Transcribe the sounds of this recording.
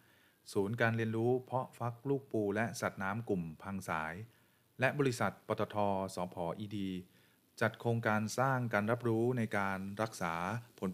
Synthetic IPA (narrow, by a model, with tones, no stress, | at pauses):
suː˩˦nkaː˧nɾi˧ənɾuː˦˥pʰɔ˦˥ʔfa˦˥k̚luː˥˩k̚puː˧lɛ˦˥ʔsa˨˩t̪̚naː˦˥mku˨˩mpʰa˧ŋsaː˩˦j | lɛ˦˥ʔbɔː˧ɾi˦˥sa˨˩t̪̚pɔː˧t̪ɔː˧t̪ʰɔː˧sɔː˩˦pʰɔː˩˦ʔiː˧diː˧ | t͡ɕa˨˩t̪̚kʰoː˧ŋkaː˧nsaː˥˩ŋkaː˧nɾa˦˥p̚ɾuː˦˥na˧jkaː˧nɾa˦˥k̚saː˩˦pʰo˩˦n